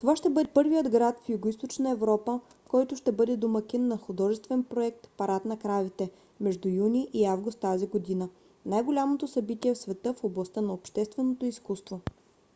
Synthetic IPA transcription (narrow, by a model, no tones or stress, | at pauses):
t̪ovaʃt̪ɛbɤd̪ɛpɤɾvijəd̪ɡɾat̪fjʊɡoist̪ot͡ʃnəɛvɾɔpə | kɔjt̪ʊʃt̪ɛbɤd̪ɛd̪omɐkinːɐxʊd̪ɔʒɛst̪vɛnpɾoɛk̚t̪pɐɾat̪nɐkɾavit̪ɛ | mɛʒd̪ujuniʔiavɡʊst̪ːaziɡod̪inə | najɡolʲamot̪osɐbit̪iɛfsvɛt̪ɤfoblˠɐst̪ənɐopʃt̪ɛst̪vɛnot̪oiskust̪vo